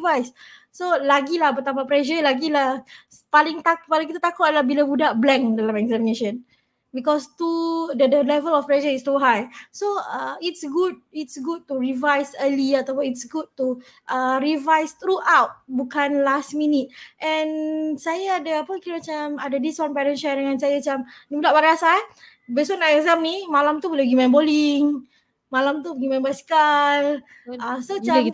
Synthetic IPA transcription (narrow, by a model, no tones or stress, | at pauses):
vajs | solaɡilahbət̪apapɾɛʃ̬əlaɡilah | palɪŋt̪akpalakit̪at̪akoʔlahbilabudaʔblɛ̃ŋdalamɛkzɛmineʃə̃n | bikɔst̪udədəlɛvəlɔfplɛʃəist̪uɦajsoəitsɡud̚itsɡud̚t̪uɹivajsəliat̪awpʊnitsɡud̚t̪u | ʔəɹivajst̪ɾuʔawt̚bukanlastminit̪̚ʔɛ̃nsajaːdaapəkiɾəmat͡ʃamadədiswãnpɛɾə̃nʃadəŋãnsajamat͡ʃamnimulaʔbaɾasa | bəsɔnaɛɡzamnimalamt̪ubəlɛɡimãnboliŋ | malamt̪uɡimãnbajskal | asot͡ʃa